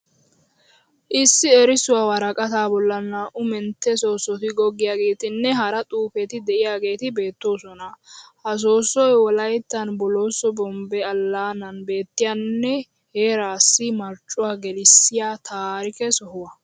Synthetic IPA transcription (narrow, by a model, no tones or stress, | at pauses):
ʔɪsːɪɛɾɪsʊwaːwɐɾɐkʼɐt̪aːbɔlːɐnːaʔʊmɛnt̪ːɛso̞ːsːɔt̪ɪɡɔɡːɪjaːɡe̞ːt̪ɪnːɛɦɐɾɐt̪ʼuːfɛt̪ɪd̪ɛʔɪjaːɡe̞ːt̪ɪbe̞ːt̪ːo̞ːsɔnɐhɐs̬o̞ːsːɔjwɔlɐjt̪ːɐnbɔlo̞ːsɔbɔmbɛɐlːaːnɐnbe̞ːt̪ːɪjanːɛ | heːɾaːsːɪmɐɾt͡ʃʼːʊwaːɡɛlɪsːɪjaːt̪ʰaːɾɪkɛsɔhʊwɐ